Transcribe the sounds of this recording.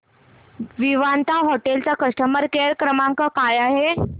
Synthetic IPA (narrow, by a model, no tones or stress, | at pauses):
ʋiʋant̪aɦoʈelt͡sakəʂʈəməɾkeɾkɾəmãŋkəkajaɦe